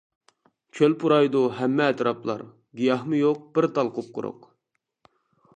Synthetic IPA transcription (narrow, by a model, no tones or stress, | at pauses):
kʲʰølpʰuɾɑjd̪uɦɛmːɛːt̪ɾɑplˠɑ̰ɾ | ɡijɑhmɨjoq̚b̥ɪɾt̪ɑlˠqʊp̚qʰʊ̰ɾʊ̰q